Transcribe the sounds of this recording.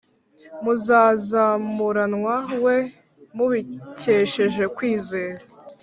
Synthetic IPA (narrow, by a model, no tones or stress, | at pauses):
muzaːzamuɾanŋwawe̞ | muβiceʃe̞ʒe̞kwiːze̞ːɾa